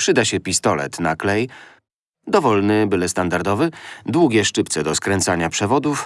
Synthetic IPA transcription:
pʂɘd̪aɕɛpʲist̪ɔlɛ̰t̪naklɛj | d̪ɔvɔlnɘbɘlɛst̪and̪aɾd̪ɔvɘd̪wuɡʲɛʂt͡ʂɘpt̪sɛd̪ɔskɾɛnt̪saɲapʂɛvɔd̪uf

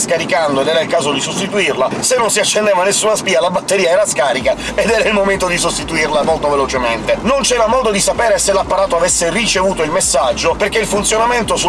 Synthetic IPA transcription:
skaɾikand̪oed̪ɛːɾailkaːzod̪isost̪it̪uirlasenːonsiat͡ʃːend̪eːvanesːuːnaspiːalabat̪ːeɾiːaɛːɾaskaːɾika | ed̪ɛːɾailmoment̪od̪isost̪it̪uirlamolt̪ovelot͡ʃement̪enont͡ʃɛːɾamɔːd̪od̪isapɛːɾeselapːaɾaːt̪oavesːerit͡ʃevuːt̪oilmesːad͡ʒːoperk̟eilfunt̪sjonament̪osu

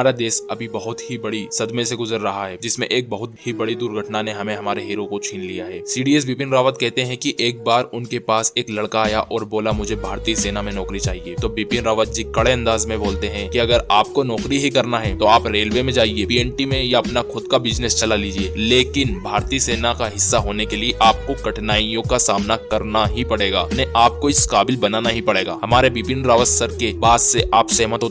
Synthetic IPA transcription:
aːɾad̪eːsɐbʱibɐɦʊt̪ɦibɐɽisɐd̪mẽseɡʊzəɾːɐɦaɦɛːd͡ʒɪsmḛ̃ʔeːk̚bɐɦʊt̪hibɐɽid̪uːɾɡʱɐʈnaneɦɐmẽɦɐmaːɾeɦeːɾokot͡ʃʰiːnlijaɦɛːsiːɖiːɛs̬biːpɪnɾaːʋət̪̚kɛɦt̪eɦɛ̃kiʔeːk̚baːɾʊnkepaːseːklɐɽkaːjaʔʔɔːɾboːlamʊd͡ʒʱebʱaːɾt̪iːseːnamẽnɔːkɾit͡ʃaːɦieːt̪oːbiːpɪnɾaːʋət̪̚d͡ʒikɐɽeɐ̃nd̪aːzmẽboːlt̪eɦɛ̃kiɐɡəɾaːp̚konɔːkɾiɦikɐɾnaɦɛt̪oaːpɾeːlʋemẽd͡ʒaːɦiepiːɛɳʈimẽjaɐpnaxʊd̪kabɪd͡ʒnest͡ʃɐlaliːd͡ʒieːleːkɪnbʱaːɾt̪iːseːnakaɦɪsːaɦoːnekelieʔaːp̚kokɐʈʰnaːijõkasaːmnakɐɾnaɦipɐɽeːɡaːnɛ̃ʔaːp̚koɪskaːbɪlbɐnanaɦĩpɐɽeːɡa̰ːɦɐmaːɾebiːpinɾaːʋəssəɾkebaːd̪seʔaːpsɐɦmət̪ɦoː

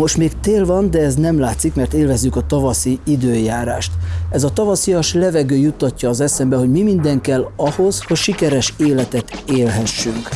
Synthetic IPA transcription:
mo̞ʃt̪meːkt̪eːlvɒnd̪ɛɛznɛmlaːt̪sikmɛrt̪eːlvɛzːykɒt̪ɒvɒsiid̪øːjaːɾaːʃt̪ɛzɒt̪ɒvɒsijɒʃlɛvɛɡøːjut̪ːɒcːɒːzɛsɛmbɛɦo̞ɟmimind̪ɛŋkɛlːɒho̞zho̞cʃikɛɾɛʃeːlɛt̪ɛt̪eːlɦɛʃːyŋk

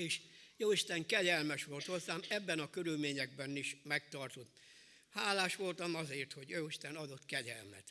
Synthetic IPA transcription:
eːʃjoːiʃt̪ɛŋkɛɟɛlmɛʃʋo̞lt̪ho̞zːaːmɛbːɛnɒkøɾylmeːɲɛɡ̚bɛniʃmɛkt̪ɒrt̪ot̪ | haːlaːʃʋo̞lt̪ɒmɒzeːrt̪ho̞ɟjoːiʃt̪ɛnɒd̪o̞t̪kɛɟɛ̰lmɛ̰t̪

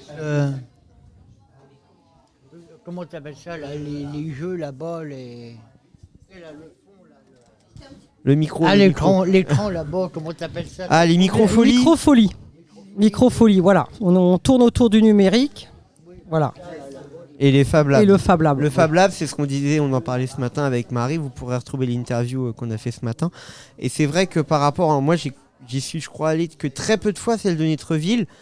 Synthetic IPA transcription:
kɔmɑ̃t̪yapɛlsalaleleʒølabale | ləmikχolekɑ̃leɑ̃labakɔmɑ̃t̪yapɛlsaʔalemikχofɔlikχɔfɔli | mikχɔfɔlivwala̰ɔ̃ɔ̃t̪uʁnot̪uʁd̪ynymeʁik | vwala̰ | elefablaeləfablabəfablablsɛsə̥kɔ̃d̪izɛɔ̃nɑ̃paʁlɛsəmat̪ɛ̃avɛkmaʁivupuʁeʁət̪χuvelint̪ɛʁvjuøkɔ̃nafɛsəmat̪ɛ̃ḛsɛvʁɛkəpaʁːapɔʁamwaʒe | ʒisɥiʒəkχwaːlekət̪χɛpød̪əfwasɛld̪ənɔt̪χəvil

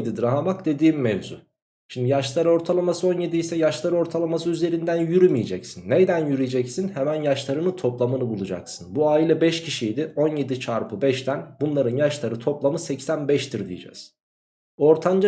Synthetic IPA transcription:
d̪id̪ɾaɦamakd̪e̞d̪iːmːɛvzṵ | ʃimd̪ijaʃlˠaɾo̞ɾt̪ʰalˠamasɯo̞nje̞d̪iisɛjaʃlˠaɾɯo̞ɾt̪ʰalˠamasɯyze̞ɾind̪ænjyɾymijed͡ʒɛcsinːed̪ænjyɾid͡ʒɛcsinhɛmænjaʃlˠaɾɯnɯt̪ʰo̞plˠamɯnɯbulˠud͡ʒa̰ksɯnbuaːilʲɛbɛʃcʰiʃijd̪io̞nje̞d̪it͡ʃʰaɾpʰɯbɛʃt̪ʰænbunlˠaɾɯnjaʃlˠaɾɯt̪ʰo̞plˠamɯsɛcsænbɛʃt̪ʰiɾd̪ḭjḛd͡ʒɛ̰z̥ | o̞ɾt̪ʰand͡ʒa

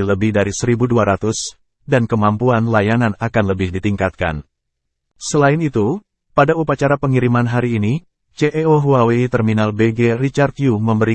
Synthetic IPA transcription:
ləbɪhdaɾisəɾibuduaɾat̪ʊs | dankəmampuanlajananakanləbɪhdit̪iŋkat̪̚ka̰n | səlaɪnit̪u | padaupat͡ʃaɾapəŋiɾimanɦaɾiːni | t͡ʃeʔeoɦuawit̪ərminalbeɡerit͡ʃart̪juməmbəɾi

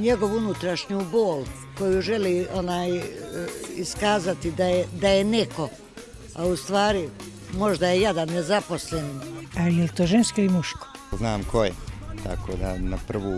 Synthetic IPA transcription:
ɲe̞ɡo̞ʋunut̪ɾaʃɲuːboːl | ko̞juʒe̞liːonaːj | iskaːzat̪id̪ajed̪ajeneko̞ | aust̪ʋaːɾi | mo̞ʒd̪ajejed̪anːezapo̞sleninalijelt̪oːʒenskoimuʃko̥znaːmkʰojet̪akoːd̪a̰napr̩ʋuː

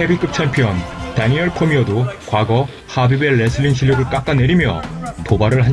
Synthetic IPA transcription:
ebik͈ɯp̚t͡ɕʰempʰiʌntaɲiʌɭpʰomiʌdokwaɡʌ | habibeɭːesʰɯɭːinɕ̬ʰiʎːjʌɡɯɭk͈ak͈ane̞ɾimjʌ̰tobaɾɯɭɦa

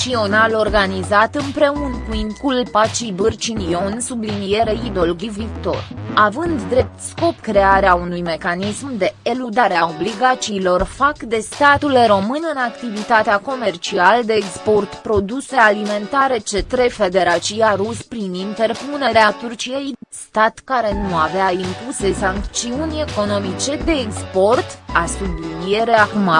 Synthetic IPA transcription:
t͡ʃio̞nalo̞rɡanizat̪ɨnpɾe̞unkuinkulpat͡ʃibɨrt͡ʃinio̞nsublinijeɾeid̪o̞lɡʲivikt̪o̞̰ravɨnd̪ːɾe̞p̚t̪sko̞pkɾe̞aɾeaunujme̞kanismd̪e̞elud̪aɾeao̞bliɡat͡ʃiːlo̞rfakd̪e̞st̪at̪ulɾo̞mɨnɨnakt̪ivit̪at̪eako̞me̞rt͡ʃiald̪e̞ːkspo̞rt̪pɾo̞d̪use̞alime̞nt̪aɾe̞t͡ʃe̞t̪ɾe̞fe̞d̪e̞ɾat͡ʃiaɾuspɾinint̪e̞rpune̞ɾeat̪urt͡ʃijejst̪at̪kaɾe̞nuaveaimpuse̞saŋk̪t͡ʃiunʲe̞ko̞no̞mit͡ʃe̞d̪e̞ːkspo̞rt̪asublinije̞ɾeakma

